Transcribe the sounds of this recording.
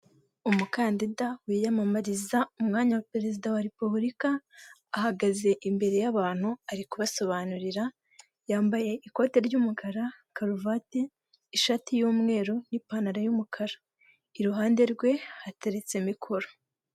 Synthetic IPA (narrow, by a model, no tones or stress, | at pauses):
umukaːndidawijamamaɾizaumŋaːɲawapeɾezidawaɾe̞puβuɾikaːhaɡaze̞ʔimbe̞ɾe̞jaβaːn̥huaɾikuβaso̞βanuɾiɾa | jaːmbaje̞ʔiko̞ːte̞ɾɟuːmukʰaɾa | kaɾuvate | iʃatijuːmŋe̞ːɾonipanaɾajumukʰaɾḁ | iɾuɦaːnde̞ɾɡwe̞hate̞ɾe̞t͡se̞mikʰo̞ɾo